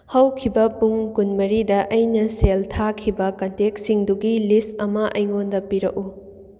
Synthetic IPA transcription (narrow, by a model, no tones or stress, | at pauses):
hɐwkʰibɐpuŋkunmɐɾidɐʔɐjnɐseltʰakʰibɐkɐntek̚siŋduɡilist̚ɐmɐʔɐjŋondɐpiɾɐ̰k̚u